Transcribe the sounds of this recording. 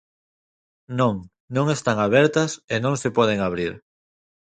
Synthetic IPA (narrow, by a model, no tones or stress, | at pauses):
nõŋ | nõŋest̪aŋaβ̞ɛɾt̪ɐsenõŋsepɔð̞eŋaβ̞ɾiɾ